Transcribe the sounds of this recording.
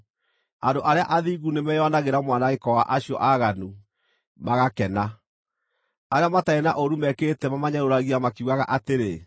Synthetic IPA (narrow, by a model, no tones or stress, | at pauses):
andoʔaɾeaʔaðiːɣunemɛjɔnaɣeɾamwanaɣekɔwaʔaɕiɔ̰ʔaɣanu | maɣakɛna | aɾeamataenaʔoɾumɛketɛmamaɲaɾoɾaɣiamakiuɣaɣa̰ʔateɾe